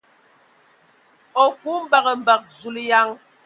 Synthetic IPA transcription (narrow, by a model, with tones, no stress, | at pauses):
o˨ku˦m̩˦ba˨ɣə˨m̩˨ba˨k̚zu˨li˦ja˦ŋ